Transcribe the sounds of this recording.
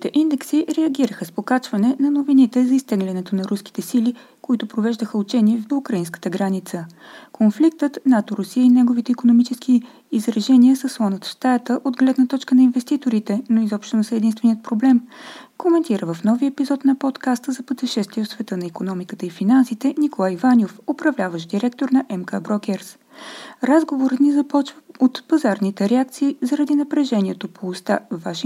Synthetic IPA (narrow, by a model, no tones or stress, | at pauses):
it̪ɛʔind̪ɛksiɾɛəɡiɾəxəspokat͡ʃvɐnɛnɐnovinit̪ɛzɐist̪ɛɡlʲɛnɛt̪onɐɾuski̥t̪ɛsili | koit̪ʊpɾovɛʒd̪əxəut͡ʃɛniɛvd̪oukɾɐinskə̥t̪əɡɾanit̪səkonflik̚t̪ət̪nat̪oɾʊsijəinɛɡovit̪ɛikonomit͡ʃɛskiː | zɾɐʒɛniəsəslˠɔnət̪ʃt̪at̪əʔod̪ɡlɛd̪nət̪ɔt͡ʃkənɐinvɛst̪it̪oɾit̪ɛnoizɔpʃt̪onosɛːd̪inst̪vɛnijət̪̚pɾoblɛmkomɛnt̪iɾəvəfnɔviɛpizɔt̪nɐpɔt̪kast̪əzɐpət̪ɛʃɛst̪viɛfsvɛt̪ənɐikonɔmikət̪əifinansit̪ɛnikolˠajivanʲofopɾɐvlʲavəʃd̪iɾɛk̚t̪oɾnɐʔɛmkabɾɔkʲɛɾs | ɾazɡovoɾət̪nizɐpɔt͡ʃvəot̪pɐzaɾnit̪ɛɾɛakt̪siːzɐɾɐd̪inɐpɾɛʒɛnʲiɛt̪opʰoːst̪avaʃi